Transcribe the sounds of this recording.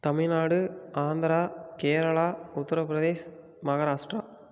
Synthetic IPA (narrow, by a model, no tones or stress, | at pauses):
t̪ɐmɪɭnaːɽɯaːnd̪ɐɾaːkeːɾɐɭaːʊt̪ːɐɾɐpɾɐðeːs | mɐɣɐɾaːʂʈɾaː